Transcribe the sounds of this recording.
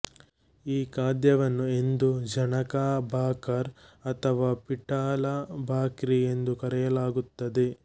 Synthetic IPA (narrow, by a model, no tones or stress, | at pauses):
iːkaːd̪jɐʋɐnːue̞nd̪ud͡ʒɐnɐkaːbʱaːkɐɾɐt̪ʰɐʋaːpiʈaːlabʱaːkɾie̞nd̪ukɐɾɛjɐlaːɡut̪ːɐd̪e̞